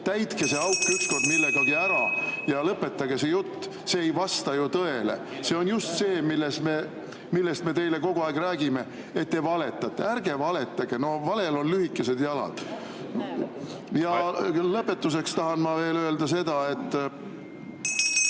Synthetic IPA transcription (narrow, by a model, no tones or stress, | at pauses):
t̪æjt̪ke̞se̞ɑwkːˑyksko̞rd̪milːeɡɑɡiæɾɑjɑlɤpːˑe̞t̪ːˑɑɡe̞se̞jut̪ː | seːejvɑst̪ɑjut̪ɤe̞lḛ | se̞o̞njust̪se̞ːmilːesme̞ | milːest̪me̞t̪e̞jle̞ko̞ɡ̥uɑeɡ̥ræːɡime̞ | et̪ːevɑle̞t̪ːˑɑt̪ːˑeærɡ̥e̞vɑle̞t̪ːˑɑɡ̥eno̞vɑle̞lo̞nlyhikːˑese̞d̪jɑlɑ̰d̪̥ | jɑlɤpːe̞t̪ːus̬e̞kst̪ɑɦɑnmɑve̞ːlø̞e̞ld̪̥ɑse̞d̪ɑe̞t̪ː